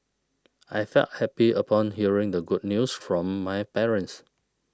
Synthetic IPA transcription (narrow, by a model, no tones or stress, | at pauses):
ajfɛ̰lt̚hɛpiʔəpʰɔ̃nɦiəɹɪ̃ŋdəɡud̚njusfɹɔ̃mːajpɛɹə̃ns